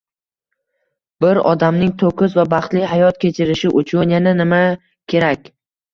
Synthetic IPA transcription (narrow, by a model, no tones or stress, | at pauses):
b̥ɪɾɒ̰d̪amnɪŋt̪ʰokʊzvabɑχt̪lɪɦajɒt̪̚kʲe̞t͡ʃʰɪɾɪʃɪʔʊt͡ʃʰʊnjananɪma | kʲʰe̞ɾakʲ